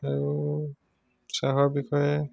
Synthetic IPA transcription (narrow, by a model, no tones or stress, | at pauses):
aɹu | saɦɔɹbixʰɔjɛ